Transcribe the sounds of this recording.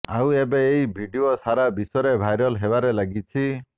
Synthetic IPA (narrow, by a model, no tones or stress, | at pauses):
awebeːibʱiɖiosaɾabisɔɾebʱajɾɔlɦebaɾelaɡit͡ʃʰi